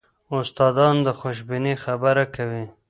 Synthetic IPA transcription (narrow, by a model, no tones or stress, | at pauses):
ʊst̪ɑd̪ɑnd̪əxoʃbɪnixabaɾakawi